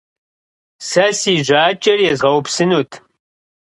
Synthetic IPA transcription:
sɐsiːʑʷaːt͡ʃʼɐrjɛzʁɐwpsɨnuːtʰ

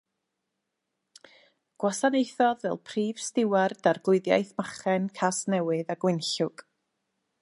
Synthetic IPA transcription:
ɡ̥wasanejθɔðvɛ̰lˠpʰriːv̥stɪward̥arɡlˠʊɨðja̰jθmaχɛnkʰasnɛwɨðaɡwɪnɬʊɡ̥

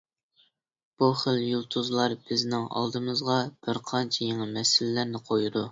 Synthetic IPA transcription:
b̥uχəljulˠt̪ʰuzlˠɑɾb̥ɪznɪŋɑ̰lˠd̪ɨmɨzʁɑb̥ɪɾqʰɑnt͡ʃʰɛjeŋɨmɛsɪlɪːæɾnɪqʰojud̪u

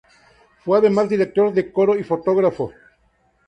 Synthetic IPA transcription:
fweaðemazd̪iɾek̚t̪oɾðekoɾoifot̪oɣɾafo

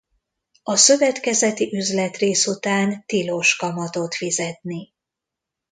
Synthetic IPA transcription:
ɒsø̞vɛt̪kɛzɛt̪iʔyzlɛt̪reːsut̪aːnt̪iloʃkɒmɒt̪o̞t̪fizɛt̪ni

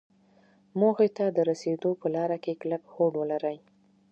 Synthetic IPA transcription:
moɣet̪ad̪əɾased̪opəlɑɾakeklakhoɖwəlaɾəj

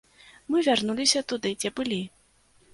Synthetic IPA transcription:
mɨvʲarnulʲisʲɐt̪ud̪ɨd͡zʲɛbɨlʲi

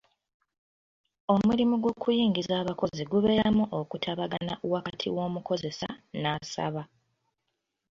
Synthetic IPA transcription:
o̞mulimuɡwo̞ːkujiːŋɡizaːβako̞ziɡuβe̞ːɾaamuʔo̞kutʰaβaɡanaʔwakatʰḭwo̞ːmuko̞ze̞sa̰naːsa̰βa

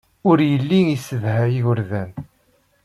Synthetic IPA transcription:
ʊɾjəlːiŋisəðhæiɣʊɾðæn

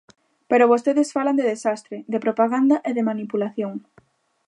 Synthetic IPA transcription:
peɾoβost̪eðesfaland̪eðesast̪ɾeðepɾopaɣand̪aʔeðemanipulaθjoŋ

